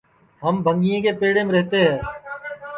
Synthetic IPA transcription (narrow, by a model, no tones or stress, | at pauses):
ɦəmbʱə̃ŋɡijẽːkepeːɽẽːmẽɾɛɦt̪eːɦɛ̃ː